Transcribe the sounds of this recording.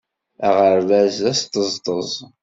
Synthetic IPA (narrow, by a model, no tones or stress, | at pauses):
æʁəɾvæzæst̪əzˤt̪ˤəzˤ